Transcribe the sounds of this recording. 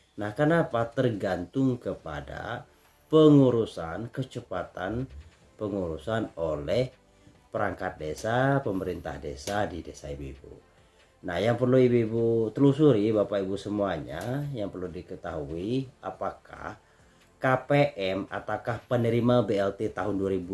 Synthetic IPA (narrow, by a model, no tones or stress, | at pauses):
nahkənapat̪ərɡant̪ʊŋkəpa̰da̰ | pəŋuɾusankət͡ʃəpat̪an | pəŋuɾusanolɛh | pəɾaŋkat̪̚desapəməɾint̪a̰hdesadidesaibḭbṵ | nahjaŋpərluibebut̪əlusuɾibapaibusəmuaɲa̰jaŋpərludikət̪aɦuiapakʰa̰h | kapeʔɛma̰t̪akahpənəɾimabeɛlt̪et̪aɦʊnduaɾibu